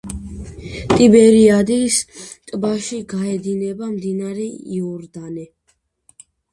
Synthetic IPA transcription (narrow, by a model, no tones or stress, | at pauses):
t̪ʼibɛɾiad̪ist̪ʼbaʃiɡaɛd̪inɛbamd̪inaɾɛiɔɾd̪ani